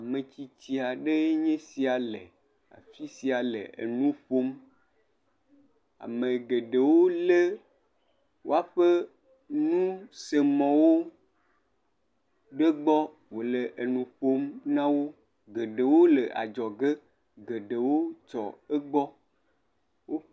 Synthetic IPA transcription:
a˨mə̃˨t͡ɕi˨t̪i˨a˨ɖe˦ɲẽ˦si˨a˨lḛ˨ | a̰˨fi˦si˨a˨lḛ˨ḛ˨nũ˦ɸo˦m | a̰˨mẽ˨ɡe˨ɖe˨wo˦le˦ | wo˦a˦ɸe˦ | nũ˦se˨mɔ̃˨wo˦ | ɖe˦ɡ͡bɔ˦ | wo˨le˨ʔe˨nũ˨ɸo˦mnã˦wo˦ | ɡe˨ɖe˨wo˦le˨ʔa̰˨d͡ʒɔ˨ɡe˦ | ɡe˨ɖe˨wo˦t͡ʃɔ̰˨e˦ɡ͡bɔ˦ | wo˦ɸ

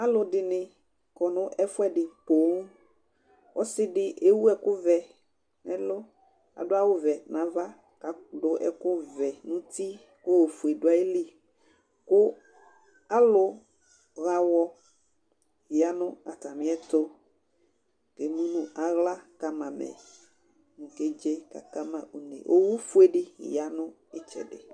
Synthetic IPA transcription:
a˦lʊ˨ɖɪ˨nɪ̃˨ | kɔ˨nʊ̃˦ʔɛ˦fʊ˦ɛ˦ɖɪ˨po˨˦ŋ˦ | wʔɔ˦sɪ˦ɖɪ˨ʔe˦wu˦ɛ˨kʊ˦vɛ˨ | nɛ̰̃˦lʊ˦ | a̰˨dʊ˦a˦wʊ˦vɛ˨nã˨va˦ | ka˨ɖʊ˨ʔɛ̰˨kʊ˦vɛ˨nũ˦t̪i˦ | kʊ˦we˨fu˨e˨dʊ˨˦a˨e˦li˦˨ | kʊ˦ | a˦lʊ˦ | ɣa˦wɔ˦ | i˨a˨nʊ̃˦a˨t̪a˨mĩ˦ɛ˦t̪o˦ | ke˨mũ˦nũ˦ʔa˨ɣla˦ka˦mã˨mɛ̰˨ | nũ˨ke˦d͡ʒe˦ka̰˨ka˦mã˦ʔu˨nḛ̃˨wʔo˦wu˦fu˦e˦ɖḭ˦˨ja˨nʊ̃˦ | e˦t͡ʃɛ̰˨ɖḛ˨

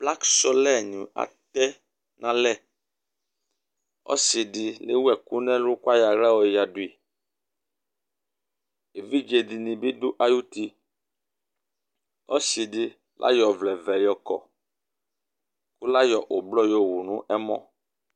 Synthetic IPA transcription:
bla˦ksɔ˦lɛ˦˨ɲĩ˨a̰˨t̪ɛ˦ | nʔã˦lɛ˦˨ | ɔ̰˦si˨di˨le˦wɛ˨ku˦nɛ̃˦lu˦kwa˦ja˨ɾa˦wɔ˨ja˨du˨i˨ | e˨vi˦d͡ʒe˨di˨nĩ˨bi˦du˦ʔa˨ju˦ti˧ | ɔ̰˦si˨di˧ | lʔa̰˦jɔ˨vlɛ˨vɛ˨jɔ˨kɔ̰˨ | ku˦la˦jɔ˨ʔo˨blɔ˦jo˦˨wu˨nũ˦ʔɛ˦mɔ̰̃˦

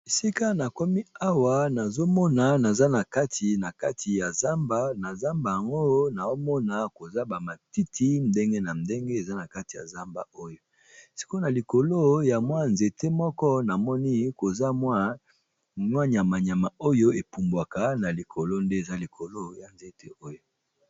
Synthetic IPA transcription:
e˨si˦ka˦na˨kɔ˦mi˦a˦wa˨na˨zo˦mɔ˦na˨na˨za˦na˨ka˦tʰi˨na˨ka˦tʰi˨ja˨za˦mba˦na˨za˦mba˨ja˨ŋɡo˦na˨o˦mɔ˦na˨ko˨za˦ba˨ma˨ti˦tʰi˦n˦de˦ŋɡe˦na˨ndɛ˦ŋɡe˦e˨za˦na˨ka˦ti˨ja̰˨za˦mba˦o˦jo˦ | si̥˨ko˦na˨li˨ko˨lo˦ja˨mwa˦nze˨te˦mɔ˦kɔ˦na˨mɔ˦ni˦ko˨za˦mwa˦ | ɲwa˦ɲ˨a˨ma˨ɲa˨ma˨o˦jo˦e˨pu˨mbwa˨ka˦na˨li˨kʰo˨lo˦nde˦e˨za˦li˨kʰo˨lo˦ja˨nze˨te˦o˦jo˦

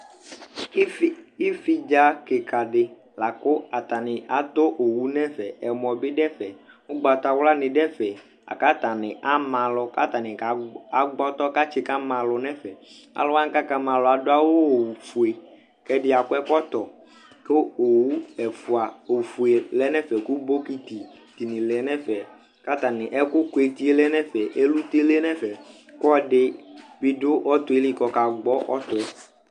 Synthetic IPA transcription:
i˦fi˦d͡ʒa˦ke˨kʰa˨ɖɪ˨ | la˨kʊ˦a˨t̪a˨nɪ˨a˨t̪o˦ʔo˨wu˦nɛ̃˦fɛ˨ɛ˨mɔ̃˨bɪ˦ɖɛ˦fɛ˨ | wo˦ɡ͡ba˨t̪a˨wla˦nɪ̃˨ɖɛ˦fɛ˨ | a̰˨ka˦t̪a˨nɪ̃˨ʔa˦mã˨lʊ˨ka̰˦t̪a˨nɪ̃˨ka˨ɡ͡bɔ˦t̪ɔ˦ka˦t͡ʃi˨ka˦mã˨lʊ˨nɛ̃˦fɛ˨ | a̰˨lʊ˦a˦ŋ˦ka˦ka˦mã˨lɔ˨a˨do˦a˦wo˦˨fu˨e˨ | kɛ˦dɪ˦a˨kʊ˦ɛ˦kɔ˦t̪ɔ˨ | kʊ˦o˨wu˦ɛ˨fʊ˨a˨o˨fu˨e˨lɛ˦nɛ̃˦fɛ˨ku˦bo˦ki˦t̪i˨ | t̪i˨nĩ˨lɪ˨ɛ˨˦nɛ˦fɛ˨ | ka˦t̪a˨nɪ̃˨ʔɛ˦kʊ˦kʊ˨e˨t̪i˦e˦lɛ˦nɛ˦fɛ˨ʔe˦lu˦t̪e˦le˦nɛ̃˦fɛ˨ | kɔ˦ɖɪ˦bi˨˦dʊ˦ʔɔ˦t̪ʊ˦e˦li˦kɔ˨ka˨ɡ͡bɔ˦ʔɔ˦t̪ʊ˨ɛ˨

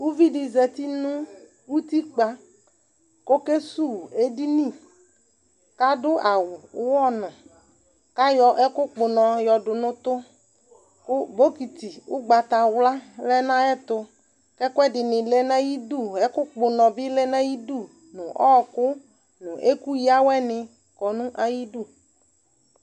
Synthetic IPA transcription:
wu˦vi˦dɪ˨zɛ˨t̪i˦nʊ̃˦ | wu˦t̪i˦k͡pa˨ | ko˦ke˦su˦˨e˦di˦nĩ˦˨ | ka˦dʊ˦a˨wʊ˨˦wɔ˦nʊ̃˨ | ka˦jɔ˨ʔɛ˦kʊ˦k͡pʊ˨nɔ̃˨jɔ˨dʊ˨nʊ̃˦t̪ʊ˦ | kʊ˦bo˦ki˨t̪i˨wʊ˦ɡ͡ba˨t̪a˨wla˦lɛ˦nã˦ɛ˦t̪ʊ˦ | kɛ˦kʊ˦ɛ˦dɪ˨nɪ̃˨le˦nã˦ji˦du˦˨ɛ˦kʊ˦k͡pʊ˨nɔ̃˨bɪ˦lɛ˦nã˦ji˦du˦˨ | nʊ̃˨ʔɔ̰˦kʊ˦ | nʊ̃˨ʔe˦ku˦ji˦a˦wɛ˦nɪ̃˨ | kɔ˨nũ˦ʔa˨ji˦du˦˨

